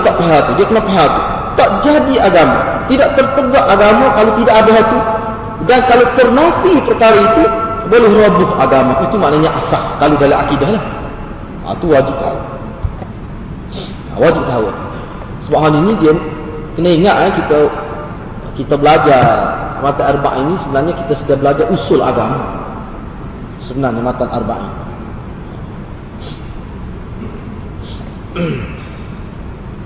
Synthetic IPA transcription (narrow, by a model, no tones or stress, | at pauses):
t̪aʔpeɦat̪udiakənaʔpeɦat̪u | t̪aʔd͡ʒadiaɡama̰t̪idaʔt̪ərt̪əɡaʔaɡamakalowt̪idaʔadaɦt̪u | dankalowt̪ərnat̪ipərkaɾait̪ubolɛhrobʊɦa̰ɡamait̪umaʔnaɲaʔasaskaludalaakidahlah | a̰t̪uwad͡ʒip̚t̪aa̰ | a̰wad͡ʒip̚k̪aɦawa̰t̪u̥ | səbapɦaninidiəm | kənaiŋaʔ̪ajkit̪a | kit̪abəlad͡ʒamat̪anarba̰ʔinisəbənarɲakit̪asədabəlad͡ʒaʔusʊla̰ɡama | səbənarɲamat̪anʔarba̰ʔḭni